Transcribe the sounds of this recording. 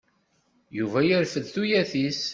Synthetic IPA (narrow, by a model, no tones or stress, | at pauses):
juvæjəɾfəðθujæθis